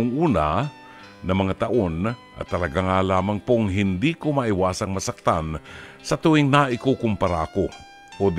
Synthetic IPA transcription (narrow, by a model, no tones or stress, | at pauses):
ŋʔuːna̰ | nɐmɐŋat̪ɐʔonʔɐ̰t̪ɐlɐɡaŋalaːmaŋpoŋɦɪnd̪ikomaʔɪwaːsɐŋmɐsak̚t̪an | sɐt̪uɪŋnaʔɪkokʊmpɐɾaɐko | ʔod̪